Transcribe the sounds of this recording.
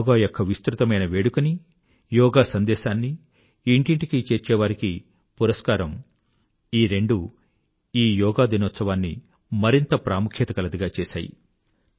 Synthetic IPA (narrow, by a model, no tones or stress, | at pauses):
ɡaːjokʰːɐʋist̪ɾut̪ɐmɐjnɐʋeːɽukɐni | jɔːɡaːsɐnd̪ɛːʃaːnːi | iɳʈiɳʈikit͡ʃeːɾt͡ʃɛːʋaːɾiki | puɾɐskaːɾɐm | iːɾe̞ɳɖu | iːjɔːɡaːd̪inɔt̪sɐʋaːnːḭ | mɐɾint̪ɐpɾʔaːmukʰjɐt̪ɐkɐlɐd̪iɡaːt͡ʃeːʃa̰ːjḭ